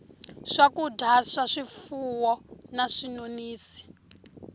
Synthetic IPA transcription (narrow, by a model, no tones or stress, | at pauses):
ʂakudʱaʂaʂifuwɔnaʂinoniːsi̥